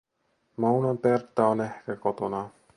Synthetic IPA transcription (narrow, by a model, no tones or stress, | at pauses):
mownɑnpert̪ːɑonehkækot̪onɑ